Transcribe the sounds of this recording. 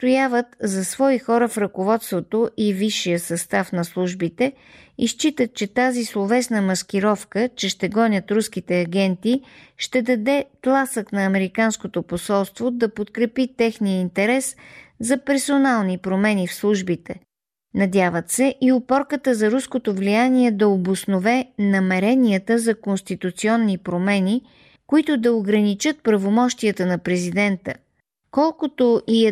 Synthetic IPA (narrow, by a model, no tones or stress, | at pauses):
st̪ojavət̪zɐsvɔixɔɾəfɾɐkovɔt̪st̪vot̪oʔiviʃːijəsɐst̪afnɐslˠuʒbit̪ɛ | ist͡ʃit̪ət̪̚t͡ʃɛt̪azislˠovɛsnəmɐsk̟ʲiɾɔfkət͡ʃɛʃt̪ɛɡɔnʲət̪ɾuskit̪ɛɐɡɛnt̪iʃt̪ɛd̪ɐd̪ɛt̪lˠasəknɐːmɛɾikanskot̪oposɔlˠst̪vod̪ɐpot̪kɾɛpit̪ɛxnijəint̪ɛɾɛszɐpɛɾsonalˠnipɾomɛnifslˠuʒbit̪ɛ̰ | nɐd̪ʲjavət̪sɛʔiopɔɾkət̪əzɐɾuskot̪ovlijaniɛd̪ɐobosnovɛnɐmɛɾɛniət̪əzɐkonst̪it̪ut̪siɔnːipɾomɛni | koit̪ʊd̪ɐoɡɾɐnit͡ʃɤt̪̚pɾɐvomɔʃt̪iət̪ənɐpɾɛzid̪ɛnt̪ə̰ | kɔlˠkot̪oʔi